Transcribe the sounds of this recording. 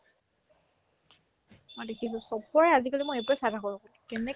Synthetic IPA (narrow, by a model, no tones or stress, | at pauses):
mɔjdekʰisɔ̃sɔkɔɹɛazikalimɔjɛjpɹɛsadʱakɔɹɔkɔlkɛnɛ